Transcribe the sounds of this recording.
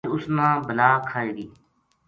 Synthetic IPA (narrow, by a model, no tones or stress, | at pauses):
ʊsnãːbəlaːkʰaːiːɡiː